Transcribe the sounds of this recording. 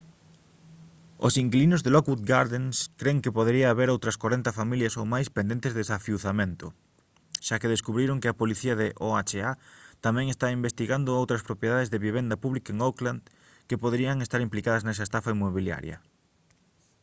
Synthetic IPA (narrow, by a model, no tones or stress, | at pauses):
o̰siŋklinʊzðelɔkwut̪ɡaɾðenskɾeŋkɪpoðeɾiaːβeɾowt̪ɾɐskwaɾent̪ɐfamiljɐsowmajspend̪ent̪ezðesafiuθamẽnt̪ʊ | ʃakeðeskuβɾiɾoŋkɪɐpoliθiɐðɪʔoat͡ʃeat̪amɛ̃ŋest̪aimbest̪iɣand̪ʊowt̪ɾɐspɾopjeðaðezðeβiβ̞end̪ɐpuβlikaeŋokland̪ | kepoðeɾiɐŋest̪aɾimplikaðɐznɛs̬ɐest̪afaimːoβilja̰ɾj̰ɐ̰